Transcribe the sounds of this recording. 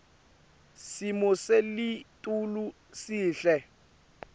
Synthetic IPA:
simɔselitʼulu | siːɬɛ

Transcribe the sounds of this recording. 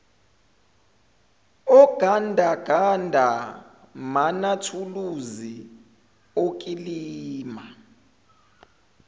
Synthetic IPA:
ɔɡ̥ʱandʱaɡ̥ʱandʱa | manatʰuluzi | ok̬ʼiliːma

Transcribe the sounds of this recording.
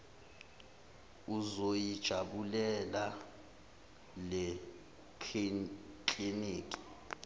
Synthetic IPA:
uzojid̥ʒ̥ʱaɓulɛla | le | kiniːkʼi̥

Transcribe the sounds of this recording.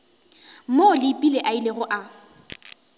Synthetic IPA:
molɪpʼileʔaileɣʊʔa

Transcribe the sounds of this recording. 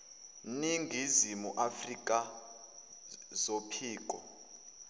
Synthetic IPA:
niŋɡʱizimuʔafrikʼa | zopʰiːkʼɔ

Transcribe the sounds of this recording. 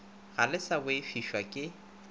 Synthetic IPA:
ɣalɪsabʊɪfiʃwakʼɪ

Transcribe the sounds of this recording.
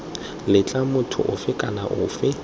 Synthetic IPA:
lɪt͡ɬʼamʊtʰʊ̰ʔʊfɪkʼalaʔʊ̰ːfɪ

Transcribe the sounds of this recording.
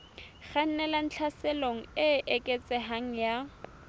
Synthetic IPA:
ɣan̩nɛlan̩t͡ɬʰasɛloŋ̩ɪʔekʼet͡sʼɛɦaŋ̩ja

